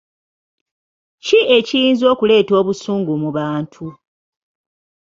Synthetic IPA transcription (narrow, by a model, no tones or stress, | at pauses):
cie̞cijiːnzo̞ːkule̞ːto̞ːβusuːŋɡumuβaːntʰu